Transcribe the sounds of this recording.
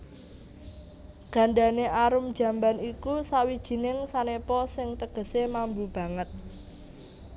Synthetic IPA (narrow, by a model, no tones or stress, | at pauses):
ɡ̥ä̤ɳɖaneaɾʊmd̥ʒ̥ä̤mbanikusawid̥ʒ̥i̤nɪŋsanepɔsɪŋt̪əɡ̥ə̤semambub̥ä̤ŋət̪̚